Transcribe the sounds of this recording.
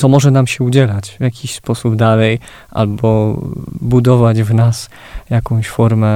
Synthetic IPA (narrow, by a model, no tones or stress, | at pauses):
ɔmɔʐɛnamɕɛud͡ʑɛlat͡ɕvʲjakʲiɕspɔsubd̪alɛj | ʔa̰lbɔ | bud̪ɔvad͡ʑvnas | jakɔ̃w̃ɕfɔɾmɛ